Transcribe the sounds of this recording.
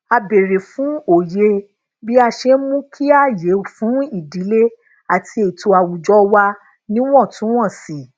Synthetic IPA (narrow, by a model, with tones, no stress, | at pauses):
a˧be˨ɾe˨fũ˨˦o˨je˧ | bi˦a˧ʃe˧˦mũ˦kʰi˦a˦˨je˨˦˨fũ˨˦i˦˨di˨˦le˦ | a˨ti˧e˨to˨a˨wu˨d͡ʒɔ˦wa˧ | nĩ˦w̃ɔ̃˦˨tũ˨˦w̃ɔ̃˦˨si˨